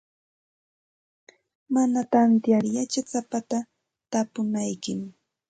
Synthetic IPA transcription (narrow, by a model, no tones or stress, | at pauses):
manat̪ant̪jaɾjat͡ʃat͡sapat̪a | t̪apʊnajkɪm